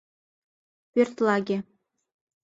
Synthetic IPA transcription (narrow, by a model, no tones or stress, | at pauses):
pʲyrʲt̪lˠɑɡʲe